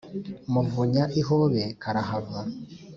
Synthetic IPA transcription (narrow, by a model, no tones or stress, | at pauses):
muvuɲaʔiɦoβekʰaɾahavwa